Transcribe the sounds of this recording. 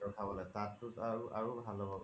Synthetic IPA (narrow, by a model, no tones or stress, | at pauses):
ɔkʰabɔlɛtãtːutaɹuʔa̰ɹubʱalɔbɔ